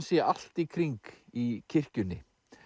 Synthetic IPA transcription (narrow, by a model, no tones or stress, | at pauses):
nsjɛʔal̥t̪ikʰɾiŋkicʰɪr̥cʏnːɪ̰